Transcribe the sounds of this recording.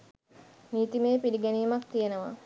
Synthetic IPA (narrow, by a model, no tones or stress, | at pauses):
niːt̪imeːpiliɡæniːmak̚t̪ijenəʋa̰